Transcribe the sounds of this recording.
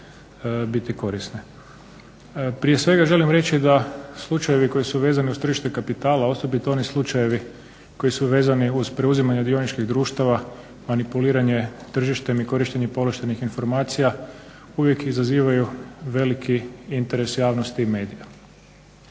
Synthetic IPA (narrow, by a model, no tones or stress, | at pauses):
bit̪iko̞ɾisne | pɾije̞sʋe̞ɡaʒe̞limɾe̞t͡ʃid̪aslˠut͡ʃaje̞ʋiko̞jisuʋe̞ːzaniuzst̪r̩ʒiʃt̪ekapit̪aːlao̞so̞bit̪oo̞nislˠut͡ʃaje̞ʋi | ko̞jisuʋe̞ːzaniuz̥pɾeuzimaɲad̪io̞nit͡ʃkiɣd̪ɾuːʃt̪aʋa | manipuliːɾaɲe̞t̪r̩ʒiʃt̪e̞miko̞ɾiʃt̪e̞ɲepo̞loʃt̪enixinfo̞ɾmaːt̪sija | uʋje̞kizaziːʋajuʋe̞likʰiint̪e̞ɾe̞sjaːʋnost̪iːme̞ːd̪ija